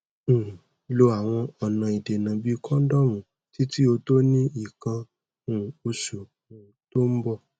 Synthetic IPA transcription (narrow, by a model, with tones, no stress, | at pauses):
lo˧a˨w̃ɔ̃˧ɔ˨nã˧i˨de˨nã˨bi˨˦kʰɔ̃˦dɔ˦mũ˨˦ | ti˦ti˦o˧to˦nĩ˦i˦˨kã˧ | ũ˨o˧ʃu˨ | ũ˨to˦m̩˦bɔ˧˨